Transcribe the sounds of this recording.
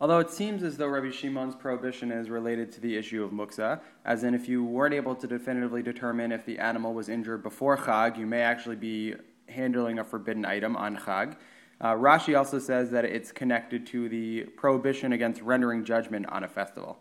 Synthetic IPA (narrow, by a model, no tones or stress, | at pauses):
ɔlˠðoʊɨtsĩmzɨzðoʊɹʌbiʃimɑ̃nz̥pʰɹ̥oʊəbɪʃɨ̃nɪzɹɨleɪɾɨd̚tʰɨðiɪʃʉʌvmʊksə | ʔɨzðɨ̃ɾnɨfjɨwɜ̃˞ɨ̃nteɪbl̩ˠtʰɨdɨfɪ̃ñɨɾɨvlidɨtʰɜ˞mɨ̃nɨfðiʔæ̰nəm̩l̩ˠwʌzɪ̃nd͡ʒə˞d̚bəfɔɹχɑɡjɨmeɪæk̚t͡ʃʉul̩ˠibi | hæ̃ndˡl̩ˠɪ̃ŋɨfə˞bɪdⁿn̩a̰ɪɾɨ̃mə̰̃nχɑɡ | ɹɑʃiɔlˠsoʊsɛzðɨɾɪ̰tskʰɨnɛk̚tɨd̚tʰɨðɨpʰɹ̥oʊəbɪʃɨ̃nɨɡɛ̃nst̚ɹɛ̃ndə˞ɪ̃ŋd͡ʒʌd͡ʒmɨ̃ntn̩ɨfɛstə̰vl̩ˠ